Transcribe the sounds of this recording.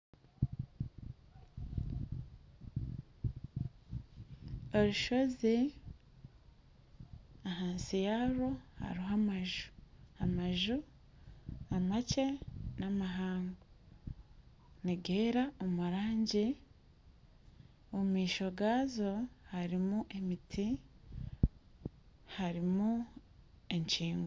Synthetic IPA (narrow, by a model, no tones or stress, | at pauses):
oɾuʃo̞zi | aɦaːnsijaɾoha̰ɾiɦamaʒu̥amaʒu | amace̞namaɦaːŋɡo | niɡeːɾaomuɾaːɲɟi | omiːʃo̞ɡaːzo̞haɾimuʔemitʰi | haɾimu | eɲt͡ʃiːŋɡoo